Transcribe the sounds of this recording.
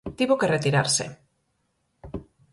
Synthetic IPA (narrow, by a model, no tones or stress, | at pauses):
t̪iβokeret̪iɾaɾsḛ